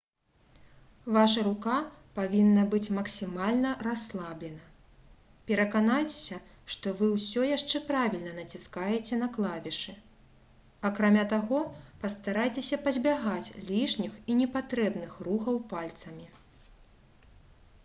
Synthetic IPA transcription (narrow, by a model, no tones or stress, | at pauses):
vaʂɐɾukapavʲinːɐbɨt͡sʲmɐksʲimalʲnɐraslˠablʲɛnɐ | pʲɛɾɐkanajt͡sʲe̥sʲɐ | ʂt̪ɔvɨwsʲɔjaʂt͡ʂɛpɾavʲilʲnɐnɐt͡sʲiskajɛt͡sʲɛnɐklˠavʲɛʂɨ | ɐkɾamʲat̪aɣɔpɐst̪aɾajt͡sʲesʲɐpɐzʲbʲaɣat͡sʲlʲiʂnʲixinʲɛpat̪ɾɛbnɨxruxɐwpalʲt̪sɐmʲi